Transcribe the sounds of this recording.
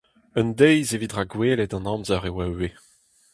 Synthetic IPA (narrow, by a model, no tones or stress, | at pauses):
əndɛjzevidʁaɡweːlɛdɑ̃nɑ̃mzaʁewae